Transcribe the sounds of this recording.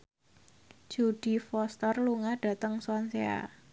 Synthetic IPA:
d͡ʒ̥uɖ̥i̤fɔst̪ərluŋaɖ̥a̤t̪əŋswɔnsea̰

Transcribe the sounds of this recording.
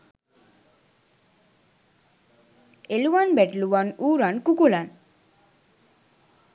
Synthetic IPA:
eluwanbɛʈluwanuːɾankukulan

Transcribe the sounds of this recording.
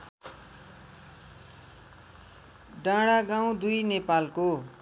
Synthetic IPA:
ɖãɽaɡãw̃d̪ujnepalko

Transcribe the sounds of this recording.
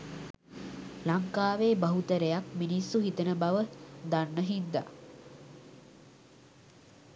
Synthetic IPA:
laŋkaːʋeːbaɦut̪əɾejakminisːuɦit̪ənəbaʋəd̪anːəɦind̪a̰

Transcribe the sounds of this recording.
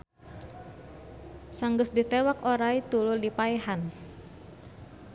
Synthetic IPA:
saŋɡəsdit̪ewakoɾait̪ulʊldipaeɦan

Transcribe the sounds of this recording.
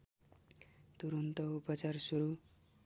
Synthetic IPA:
t̪uɾʌnt̪ʌupʌt͡sarsuɾu

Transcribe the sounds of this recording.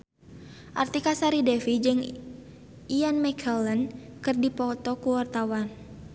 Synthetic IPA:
ʔart̪ikasaɾidɛfid͡ʒɨŋ | ianmɛkʰələnkɨrdipɔt̪ɔkuwart̪awan

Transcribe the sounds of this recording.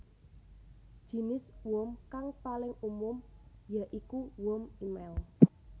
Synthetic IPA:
d̥ʒ̥i̤nɪswɔmkaŋpalɪŋumʊmjaʔikuwʊmimɛl

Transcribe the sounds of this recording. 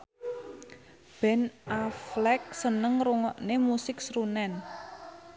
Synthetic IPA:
b̥ɛ̤nʔaflɛk̚sənəŋruŋɔʔnemusɪksɾunɛn

